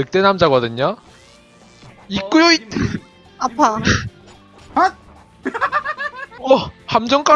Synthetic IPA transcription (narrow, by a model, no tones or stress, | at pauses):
ɯk̚t͈enamd͡ʑaɣʌdɯɲa | ik͈ɯɾjoit̚ | apʰa | ʌhamd͡ʑʌŋk͈a